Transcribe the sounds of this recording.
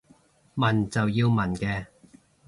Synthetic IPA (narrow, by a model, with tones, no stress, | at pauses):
mɐ˨˩nt͡sɐ˨wjiː˧wmɐ˨˩nkɛː˧